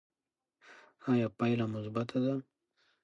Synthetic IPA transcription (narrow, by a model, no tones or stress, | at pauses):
ajapajlamʊsbat̪ʰad̪a